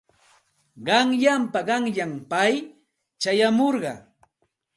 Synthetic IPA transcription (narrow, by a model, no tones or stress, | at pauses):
ɢɑŋʎampaɢɑŋʎampaj | t͡ʃajamoɾɢɑ̰